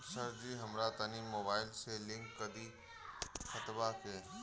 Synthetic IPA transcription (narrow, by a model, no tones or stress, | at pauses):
səɾd͡ʒiɦəmɾat̪ɐniːmːoːbaːɪlselɪ̃ŋkːɐd̪i | xət̪bakeː